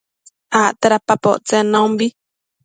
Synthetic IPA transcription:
aʔt̪aɾapapo̰ʔt͡senãũmbi

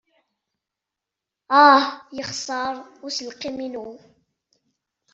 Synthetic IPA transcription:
ajəχsˤɑɾˤʊɾsəlqɪminu

